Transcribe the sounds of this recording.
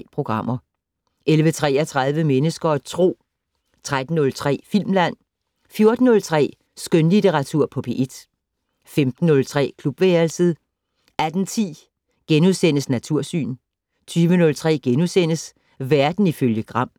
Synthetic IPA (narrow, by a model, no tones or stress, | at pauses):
pʰʁo̝ɡ̥ʁɑ̈m̰ɐ | elʋət͡sʰʁɛ̰ːɐt͡sʰʁað̞ˠʋəmenəsɡ̥ɐt͡sʰʁo̝̰ː | t͡sʰʁad̥n̩ːɔ̽lt͡sʰʁɛ̰ːfil̰mlæn̰ | fjo̝ɐd̥n̩ːɔ̽lt͡sʰʁɛ̰ː | sɡ̥ønlit͡sʰeʁɑ̈t͡sʰuɐ̰pʰɔ̽pʰe̝ʔed̥ | femd̥n̩ːɔ̽lt͡sʰʁɛ̰ːkʰlub̥ʋeːɐlsəð̩ˠ | æd̥n̩t͡sʰḭː | ɡ̥enuðˠsen̰əsnæt͡sʰuɐ̰sy̰ːn | t͡sʰyːʋənɔ̽lt͡sʰʁɛ̰ːɡ̥enusen̰əs | ʋæɐd̥n̩iføljəɡ̥ʁɑ̈m̰